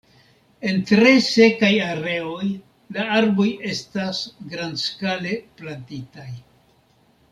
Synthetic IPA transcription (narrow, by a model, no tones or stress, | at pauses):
e̞ntɾe̞se̞kajaɾe̞o̞j | laaɾbo̞je̞stasɡɾandskale̞plantitaj